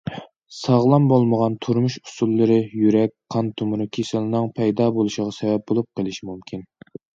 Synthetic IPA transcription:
sɑʁlˠɑmbolˠməʁɑnt̪ʰuɾmuʃu̥sulˠːɨɾɨjyɾɛk̚ʲqʰɑnt̪ʰumɾukʲʰesɨlˠɨnɨŋpʰɛjd̪ɑːbolˠuʃəʁɑsɛvɛp̚bolˠup̚qʰəlˠɪʃimumkʲʰin

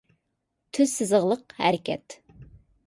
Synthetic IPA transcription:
t̪ʰyzsɪzəʁlˠəqhæɾɪkʲʰɛt̪

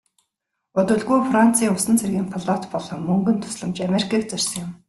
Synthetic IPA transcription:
ʊt̪ɵ̆ɮɣujfran̥t͡sʰiːŋʊsə̆nt͡sʰerɣiːmpʰɔɮɔt̪pɔɮɞ̆ŋmɵŋɡɵ̆nt̪ʰʊ̥sɮə̆mt͡ɕamerikʰaːk̚t͡sɵr̥ʲsə̆ŋjʊ̆m

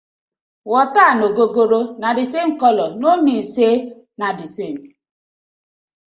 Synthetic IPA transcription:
wɔtanoɡoɡoɾonadɪsem̩kɔlɔnonise | nadisem̩

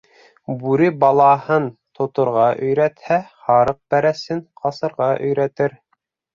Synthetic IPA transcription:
bʉɾɘbɑlˠɑhɤnt̪ʰŏt̪ŏɾʁɑʔɵ̆jɾæt̪hæhɑɾɤq̚bæɾæsɘnqʰɑsɤ̆ɾʁɑʔɵ̆jɾæt̪ɘɾ

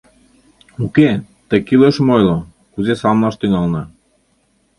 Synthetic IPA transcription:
uke | t̪əkileʃmojlo | kuzesɑmlɑʃt̪yŋɑlnɑ

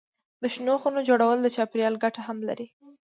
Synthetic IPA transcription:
d̪əʃnoxunod͡ʒoɽawəld̪ət͡ʃɑpɾjɑlɡaʈahamla̰ɾi

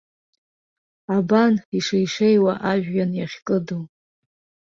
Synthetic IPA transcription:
abaniʂejʂejwaʔaʒᶣːanjaχʲkʼɨdu

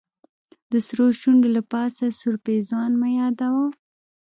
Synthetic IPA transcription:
d̪əsɾoʃuɳɖolapɑsasuɾpezwɑnmajɑd̪awa

